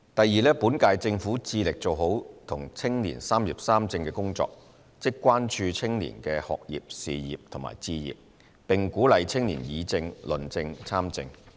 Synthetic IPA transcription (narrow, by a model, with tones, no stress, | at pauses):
t̪ɐ˨jːiː˨˧lɛː˥pu˨˥nkaː˧jt͡sɪ˧ŋfuː˨˥t͡siː˧lɪ˨k̚t͡so˨wɦo˨˥wt̪ʰʊ˨˩ŋt͡sʰɪ˥ŋlḭː˨˩nsaː˥mjḭː˨˩p̚saː˥mt͡sɪ˧ŋkɛː˧kʊ˥ŋt͡sɔ̰ː˧˨k̚ | t͡sɪ˥kːʷaː˥nt͡ʃʰyː˧t͡sʰɪ˥ŋlḭː˨˩nkɛː˧hɔ̰ː˨k̚jḭː˨p̚siː˨jiː˨p̚t̪ʰʊ˨˩ma̰ː˨˩jt͡siː˧jḭː˨˩p̚ | pɪ˨ŋkuː˨˥lɐ˨jt͡sʰɪ˥ŋlḭː˨˩njiː˨˧t͡sɪ˧ŋlɵ˨nt͡sɪ˧ŋt͡sʰaː˥mt͡sɪ̰˧ŋ